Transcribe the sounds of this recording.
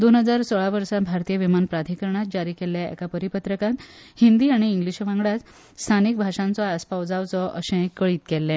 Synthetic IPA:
d̪onɦəd͡zaɾsɔɭaʋəɾsabʱaɾt̪ijəʋimanpɾad̪ʱikəɾɳ̃at̪̚d͡ʑaɾiːkɛljaɛ̰kapəɾipət̪ɾəkãt̪hind̪iːaɽ̃iːŋɡliɕʋãŋɡɭat͡s̪ | st̪ʰanik̚bʱaʂãnt͡sɔaspawd͡zaʋt͡sɔʔə̰ɕẽkːəɭiːt̪̚kɛlːɛ̃

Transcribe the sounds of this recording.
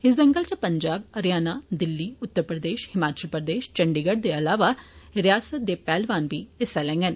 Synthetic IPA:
ɪsd̪əŋɡəlt͡ʃəpəɲd͡ʒaːbəɾjaːnaːd̪ɪlːiːʊt̪ːəɾpɾəd̪eːʃhɪmaːt͡ʃəlpɾəd̪eːʃt͡ʃəɳɖiːɡəɖd̪eːəlaːʋaːɾɪjaːsət̪̚d̪eːpɛːlʋaːnbiːɪsɛlɛ̃ːŋɡən

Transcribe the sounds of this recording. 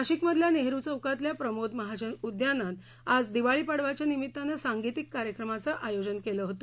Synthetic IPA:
aɕikməd̪ʱljaneɦɾut͡səwkat̪ljapɾəmod̪məɦad͡ʑənud̪janːat̪ | ad͡zd̪iʋaɭipaɽʋat͡ɕjanimit̪ːanəsaŋɡit̪ikːaɾjəkɾəmat͡səʔajod͡ʑənkeləɦot̪ə

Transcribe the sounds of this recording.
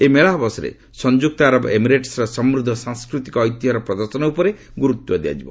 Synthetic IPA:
emeɭaɦbɔsɔɾḛ | sɔnd͡ʒuk̚t̪aɾɔbemiɾeʈsɾɔsɔmɾud̪ʱːɔsãŋskɾut̪ikɔːjt̪iɦɔɾɔpɾɔd̪ɔɾsɔnɔupɔɾe | ɡuɾut̪wɔd̪ea̰d͡ʒibɔ̰

